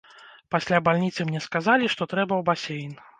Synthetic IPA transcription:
pasʲlʲabalʲnʲit̪sɨmnʲɛskazalʲiʂt̪ɔt̪ɾɛbɐwbasʲejn

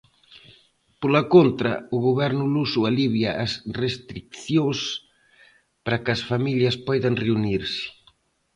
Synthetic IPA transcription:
polɐkont̪ɾɐ̰ʊɣoβɛɾnʊlusualiβjɐʔɐsrest̪ɾik̚θjõŋs | pɾɐkɐsfamiljɐspɔjðɐŋreuniɾsɪ̥

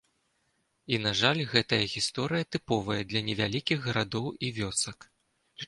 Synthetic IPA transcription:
in̪aʐalʲɣɛt̪ɐjɐɣʲist̪ɔɾɨjɐt̪ɨpɔvɐjɐd̪lʲɐnʲɛvʲalʲikʲiɣːɐɾad̪ɔwivʲɔsɐk

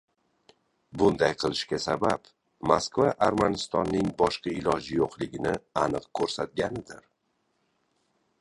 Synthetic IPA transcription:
bʊnd̪ajqʰɨlˠɪʃkʲasabap | maskvaʔaɾmanɪst̪ɒnːɪŋbɒʃqɑɪlɒd͡ʒɪjoqlˠɪɡʲɪnɪanɨq̚kʲʰɵɾsat̪̚ɡʲanɪd̪ɪɾ

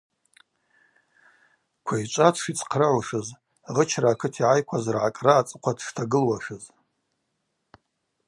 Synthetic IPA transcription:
kʷʰait͡ʃʷʼatʰʂit͡sʰʼqʰrɨʕʷuʂɨz | ʁət͡ʃʰraːkʰɨtʰiʕajkʷʰazrʕakʼraːt͡sʼɨqʷʰadʰʂtʰaɡɨlwaʂɨz

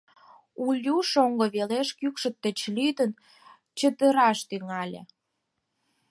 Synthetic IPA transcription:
ulʲuʃoŋɡoβeleʃkykʃə̆t̪ːə̆t͡ɕlyd̪ən | t͡ɕət̪əɾɑʃt̪yŋɑlʲḛ

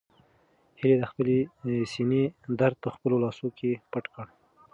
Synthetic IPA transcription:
hiled̪əxpəlesined̪aɾd̪̚pəxpəlolɑsokʰepəʈkəɽ

